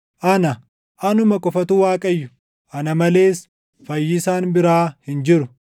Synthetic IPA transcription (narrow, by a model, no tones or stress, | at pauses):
ʔɐnɐ | ʔɐnʊmɐkʼɔfɐt̪ʊwaːkʼɐjːʊ | ʔɐnɐmɐle̞ːs | fɐjːɪsaːnbɪɾaːhɪnd͡ʒɪɾʊ